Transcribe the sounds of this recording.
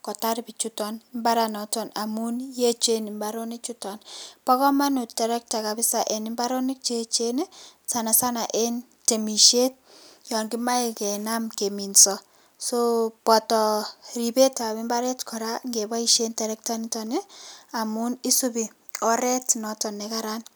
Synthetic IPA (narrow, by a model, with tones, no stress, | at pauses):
kɔ˨ta˦ɾbi˨t͡ʃu˦tɔ˨nɪmba˦ɾa˨nɔ˨tɔ˨na˨mu˦nje˦t͡ʃe˦ni˨mba˦ɾo˦nɪ˦k̚t͡ʃu˦tɔ˨npɔ˦kɔ˦ma˦nu˨tɛ˨ɾɛ˦k̚ta˨ka˨bɪ˦sa˨ʔe˨nɪ˦mba˦ɾo˦nɪ˦k̚t͡ʃe˦t͡ʃe˦ne˦sa˨na˨sa˦na˨ʔe˦n | te˨mi˨ʃe˦t̚jɔ˨nɡi˦ma˦i˨kɛ˨na˦mke˨mi˨nsɔ | so˦pɔ˨tɔ˨ɾi˨be˦ta˨βɪ˦mba˦ɾɛ˦tkʰɔ˨ɾa˦ŋɡe˨ba˦i˦ʃe˦ntɛ˨ɾɛ˦k̚ta˦ni˦tɔ˨ne˦a˨mu˦ni˦su˦bi˨ | ɔ˦ɾɛ˦tnɔtɔ˨nːe˨ka˦ɾa˦n